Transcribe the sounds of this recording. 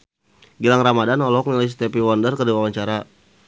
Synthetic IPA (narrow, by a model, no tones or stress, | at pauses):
ɡilaŋramadanɔlɔk̚nilajs̬t̪ɛpiwɔndərkədiwawaɲt͡ʃaɾa